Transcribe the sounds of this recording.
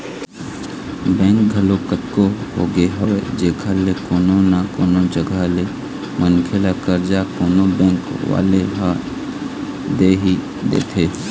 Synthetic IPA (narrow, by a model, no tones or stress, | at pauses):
bɛ̃ːŋk̚ɡʱəlokət̪koɦo̰ːɡeɦəwed͡ʒeːkʰalekoːnõnakoːnod͡ʒəɡʱale | mənkʰelakəɾd͡ʒaːkoːnobɛ̃ːŋkʋa̰ːleɦa | d̪eːɦi | d̪ḛːt̪ʰeː